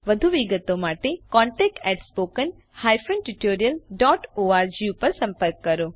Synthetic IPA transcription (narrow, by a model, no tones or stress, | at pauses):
ʋɐd̪ʱuʋiɡət̪omaːʈekɔ̃ːɳʈeːk̚ʈɛʈspoːkən | haːjfənʈuʈoːɾijəlɖɔːʈoːaːɾd͡ʑiupəɾsɐ̃mpəɾkːɐɾoː